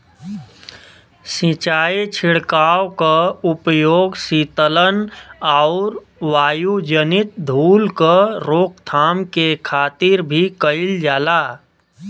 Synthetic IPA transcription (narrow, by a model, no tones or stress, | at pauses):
sĩt͡ʃaːit͡ʃʰɪɽkaːwkaʊpjoːɡsiːt̪ələnaʊɾ | ʋaːjud͡ʒənɪt̪̚d̪ʱuːlkəɾoːk̚t̪ʰaːmkekʰaːt̪ɪɾbʱikəɪld͡ʒaːlaː